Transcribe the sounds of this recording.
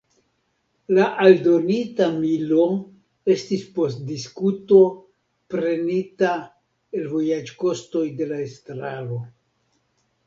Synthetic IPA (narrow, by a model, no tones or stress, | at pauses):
laʔaldo̞nitamilo̞ | e̞stispo̞st̚diskuto̞ | pɾe̞nita | elvo̞jad͡ʒko̞sto̞jde̞laestɾalo̞